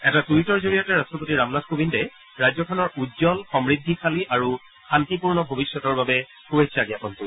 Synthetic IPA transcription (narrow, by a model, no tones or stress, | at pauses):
ɛtatuitɔɹzoɹijatɛɹastɹɔpotiɹamladkobindɛ | ɹajzɔkʰɔnɔɹudzɔlxɔmɹid̪ʱːikʰaliʔaɹu | xantipuɹnɔbʱobisːɔtɔɹbabɛ | xubesʰaɡɛakɔntu